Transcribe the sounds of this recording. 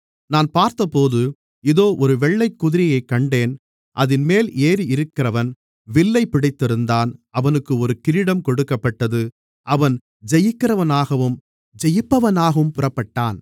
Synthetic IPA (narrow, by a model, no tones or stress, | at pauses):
naːnpaːɾt̪ɐpoːðɯ | ɪðoːʔɔɾɯʋɛɭːɐɪkːʊðɪɾɪjɐɪkːɐɳɖeːn | ʔɐðɪnmeːlʔeːɾiɪɾɯkːɪrɐʋɐn | ʋɪɭːɐɪpːɪɽɐɪt̪ːɪɾɯnd̪aːnʔɐʋɐnɯkːɯɔɾɯkɪɾɪɽɐmkɔɽɯkːɐpːɐʈːɐðɯ | ʔɐʋɐn | d͡ʒɛjɯkːɪrɐʋɐnaːɣɐʋɯm | d͡ʒɛjɯpːɐʋɐnaːɣɐɯmpʊrɐpːɐʈːaːn